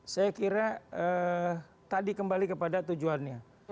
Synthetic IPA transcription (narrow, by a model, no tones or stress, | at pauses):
sajakiɾaə | t̪adikəmbalikəpadat̪ud͡ʒuanɲa